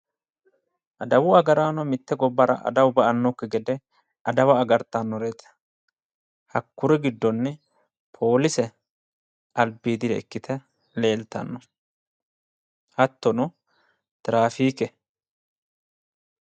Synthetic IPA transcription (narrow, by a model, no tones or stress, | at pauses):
ʔɐd̪ɐwʊɐɡɐɾaːnɔmɪt̪ːɛɡɔbːɐɾɐ̰ʔɐ̰d̪ɐwbɐʔɐnːɔkːɛɡɛd̪ɛ | ʔɐd̪ɐwɐːɡɐɾt̪ːanːɔɾeːt̪ɛ̥ | hɐkːʊɾɛɡɪd̪ːɔnːɛ | pʰo̞ːlɪsɛ | ɐlbiːd̪ɪd̪ɛɛkːɪt̪ʰɛ | le̞ːlt̪ɐ̰nːɔ | hɐt̪ːɔnɔ | t̪ɪɾaːfiːkɛ